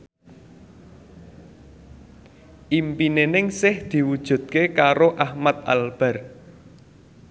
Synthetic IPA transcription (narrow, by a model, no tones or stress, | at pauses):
ʔimpinenɪŋsɪhd̪̥i̤wud̥ʒ̥ṳt̪̚kekaɾoʔahmat̪̚a̰lb̥a̤r